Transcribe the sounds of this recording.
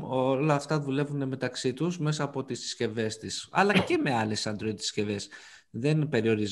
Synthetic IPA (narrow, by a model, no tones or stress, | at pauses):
olɐːft̪ɐðule̞vund̪e̞me̞t̪ɐksit̪uzme̞sɐːpo̞t̪issce̞ve̞st̪isɐ̰lɐce̞me̞ɐle̞sɐnd̪ɾoit̪i̥sce̞ve̞s | ðe̞npe̞ɾio̞ɾiz